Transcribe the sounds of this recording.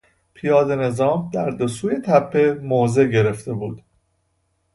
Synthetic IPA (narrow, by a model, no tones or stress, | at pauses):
pʰijɒːd̪e̞ne̞zɒːmd̪æɾd̪osuːje̞t̪ʰæpʰːe̞moːze̞ɟe̞ɾe̞ft̪e̞buːd̪̥